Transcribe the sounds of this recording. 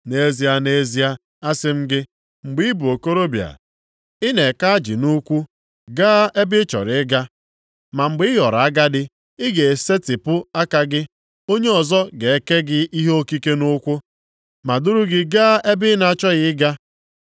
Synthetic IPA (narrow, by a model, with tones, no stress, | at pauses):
ne˦zi˦a˦ne˦zi˦a˦ | a˦sɪ˦m̩˦ɡɪ˦ | ŋ͡m̩˨ɡ͡bɪ˦i˦bu˨o˨ko˦ɾo˦bja̰˨ | ɪ˦ne˨ka˦a˦d͡ʒḭ˨nu˦kʷu˦ | ɡaː˦ʔe˦bɪ˦t͡ʃɔ̰˨ɾɪ˨ɪ˦ɡa˦ | ma˨ŋ͡m̩˨ɡ͡bɪ˦ɪ˦ɦɔ˨ɾa˦ɡa˦dɪ˦ | ɪ˦ɡe˨se˦tɪ˨pʊ˦a˦ka˨ɡɪ˦ | o˦ɲe˦ɔ˨zɔ˦ɡe˨e˦ke˦ɡɪ˦i˦ɦe˦o˦ki˦ke˦nʊ˦kʷʊ˦ | ma˨dʊ˦ɾu˦ɡɪ˦ɡa˦ʔe˦bɪ˦na˨t͡ʃɔ˦ɣɪ˦ɪ˦ɡa˦